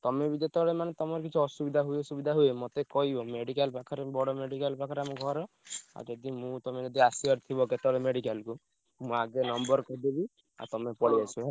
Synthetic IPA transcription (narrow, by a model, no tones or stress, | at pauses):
t̪ɔmebid̪et̪ɔɽemanet̪ɔmɔɾkit͡ʃʰuɔsubid̪ʱaɦuesubid̪ʱaɦuemot̪ekɔɦibɔmeɽikalpakʰɔɾebɔɽɔmeɽikalpakʰɔɾeamũɡʱɔɾɔ | a̰ɾd͡ʒɔd̪imũt̪ɔmed͡ʒɔd̪iasiɔɾt̪ʰibɔket̪ɔɭemeɽikalku | mũaɡenɔmbɔɾkɔd̪ebi | a̰ɾt̪ɔmepɔɽiasu